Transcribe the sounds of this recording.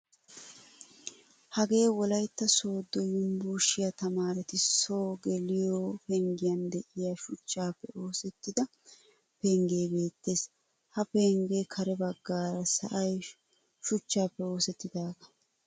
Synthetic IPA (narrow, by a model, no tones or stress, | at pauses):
hɐɡe̞ːwɔlɐjt̪ːɐso̞ːd̪ːɔjʊmbuːʃɪjɐt̪ɐmaːɾɛt̪ɪso̞ːɡɛlɪjoːpɛŋɡɪjɐnd̪ɛʔɪjaʃʊt͡ʃːaːpːɛo̞ːsɛt̪ːɪd̪ɐ | peŋɡe̞ːbe̞ːt̪ːe̞ːs | hɐpeːŋɡeːkʰɐɾɛbɐɡːaːɾɐsɐ̰ʔɐj | ʃʊt͡ʃːaːpːɛo̞ːsɛt̪ːɪd̪aːɡɐ̥